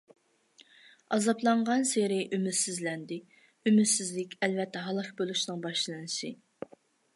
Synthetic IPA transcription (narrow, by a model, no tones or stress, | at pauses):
ɑzɑplˠɑɴʁɑnseɾɪʔymyt̪sɪzlɛnd̪ɪ | ymyt̪sɪzlɪkʲʰɛlvɛt̪ʰːɛɦɑlˠɨqʰbolˠuʃnɨŋbɑʃlɨlˠɨnɨʃɨ